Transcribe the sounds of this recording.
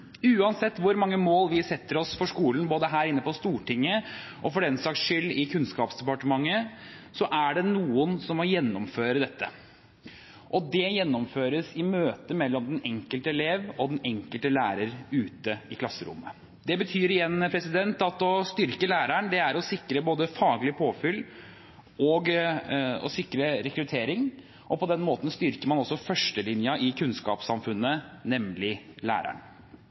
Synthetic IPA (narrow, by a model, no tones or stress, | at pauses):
ʉːɑnsɛt̪ːʋʊɾmɑŋːəmoːlʋɪsɛt̪ːəɾɔsfɔʂkuːln̩boːd̪əɦæːɾɪnːəpɔst̪uːʈɪŋːə | ʔɔfɔɖɛnsɑːksʃʏlːɪkʰʉnskɑːpsd̪ɛpɑʈəmɑŋːə | sɔʔæɖɛnuːənsɔmɔjɛnːɔmføːɾəd̪ɛt̪ːə | ʔɔd̪ɛjɛnːɔmføːɾəsɪmøːt̪əmɛlːɔmd̪ɛnɛŋkəlt̪əɛleːʋɔd̪ɛnɛŋkəlt̪əlæːɾəɾʉːt̪əɪkʰlɑsːəɾʊ̰mːə | d̪ɛbət̪ʰyːɾɪjɛnːpʰɾɛsɪd̪ɛnt̪ɑt̪ɔst̪ʏɾkəlæːɾæɳd̪ɛæɾɔsɪkɾəboːd̪əfɑːɡlɪpʰoːfʏl | ɔɡ | ɔ̰sɪkɾəɾɛkɾʉt̪ʰeːɾɪŋ | ʔɔpɔd̪ɛnmoːt̪ən̩st̪ʏɾkəɾmɑnɔsːɔfœʂʈəlɪnjɑʔɪkʰʉnskɑ̰ːpsɑmfʉnːənɛmlɪlæ̰ːɾæ̰ɳ